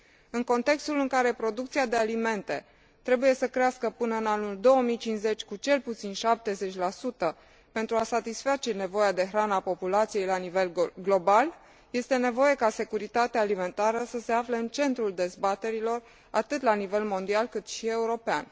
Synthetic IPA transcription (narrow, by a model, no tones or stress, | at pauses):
ɨŋko̞nt̪e̞kst̪ulɨŋkaɾe̞pɾo̞d̪ukt̪siad̪e̞alime̞nt̪e̞ | t̪ɾe̞buje̞səkɾeaskəpɨnəɨnanuld̪o̞wəmijt͡ʃinze̞t͡ʃʲkut͡ʃe̞lput̪sinʃap̚t̪e̞ze̞t͡ʃʲlasut̪ə | pe̞nt̪ɾuasat̪isfat͡ʃe̞ne̞vo̞jad̪e̞ɦɾanapo̞pulat̪sije̞jlanive̞lɡlo̞bal | je̞st̪e̞ne̞vo̞je̞kase̞kuɾit̪at̪eaːlime̞nt̪aɾəsəse̞afleɨnt͡ʃe̞nt̪ɾuld̪e̞zbat̪e̞ɾilo̞r | at̪ɨt̪lanive̞lmo̞nd̪ialkɨt̪ʃie̞uɾo̞pea̰n